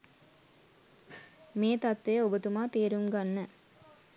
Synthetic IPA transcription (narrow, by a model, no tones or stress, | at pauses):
meːt̪ɐt̪ʋejəobət̪umaːt̪eːɾumɡanːə